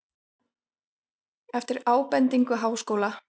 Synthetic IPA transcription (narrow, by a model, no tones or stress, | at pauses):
ɛft̪ɪɾaːwpɛnt̪iŋkʏɦaːwskoːwla